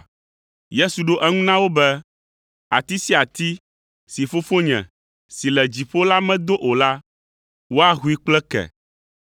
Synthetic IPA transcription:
je˦su˨ɖo˦ʔɛ˦ŋũ˦nã˦wo˦bɛ˦ | a̰˨t̪i˦si˦a˨t̪i˦ | si˨fo˦fo˦ɲɛ̰̃˨ | si˨lɛ˨d͡ʑi˨ɸo˦la˦mɛ̃˦d̪o˦ʔo˨la˦ | wo˦a˦ɦu˦i˦k͡plɛ˦kɛ̰˨

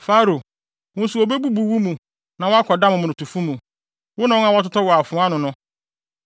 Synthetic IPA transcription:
faː˦ɾo˨ | wʊ̃˦n̩˦su˨o˨be˦bu˦bu˨wu˦mũ˨ | nã˨wɔ˦a˦kʰɔ˨da˦mʊ̃˨mʊ̃˨nʊ̃˨tu˨fũ˦mũ˨ | wʊ˦nã˨˦ã˨wa˦tʊ˦tɔ˦wɔ˨a˨fʊ̃˨˦a˦nʊ̃˨nʊ̃˦

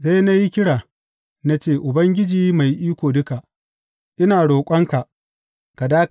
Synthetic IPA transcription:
sa˦jna˦ji˦kʲɪ˦ɽaː˨ | na˦t͡ʃeː˦˨ʔʊ˨bɐ˦ŋɡʲɪ˦d͡ʒiː˦ma˨jʔiː˦kʷoː˨dʊ˦ka˨ʔ | ʔɪ˦naː˨ɽoː˨kʷʼɐ˦ŋka˨ʔ | ka˨daː˦k

